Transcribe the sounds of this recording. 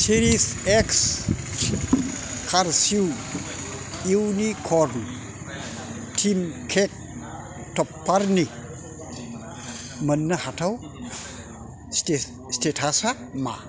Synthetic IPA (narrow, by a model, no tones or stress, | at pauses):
siɾiseks | kʰaɾsiw | iwnikʰɔɾn | tʰimkʰek̚ | tɔpːaɾni | mənːəhatʰaw | se | stetʰasa | ma̰